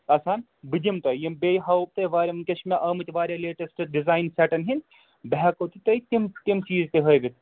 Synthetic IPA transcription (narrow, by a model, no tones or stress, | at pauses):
ɐsaːn | bɨd͡ʒimt̪ɐjimbeːjɦɐwp̚t̪ɐʋaːɾʲɐmnkɐʃmʲeʔɐːmɨt̪ʋaːɾʲɐleːʈɐsʈɖizaːjnsɛʈɐnɦin | bɛɦɛkot̪it̪ɐjt̪imt̪imt͡ʃiːzt̪eɦɐjʋit̪̚